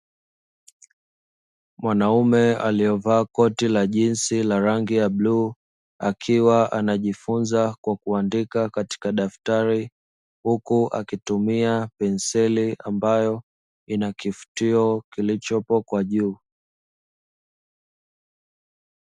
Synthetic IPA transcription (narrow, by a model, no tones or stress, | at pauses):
mwanaumɛa̰liɔvaːkɔtilaʄinsilaɾaŋɡijabluː | akʰiwaʔanaʄifunzakwakuandikakati̥kaɗaftaɾi | hukuʔa̰kitumiapɛnsɛliambajɔ | inakifu̥tiɔkilit͡ʃɔpɔkwaʄuː